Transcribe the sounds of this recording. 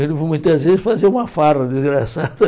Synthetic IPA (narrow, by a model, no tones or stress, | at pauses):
elevomũj̃t̪ɐzvezɪsfazeũmɐfarɐd̪izɣɾasaðɐ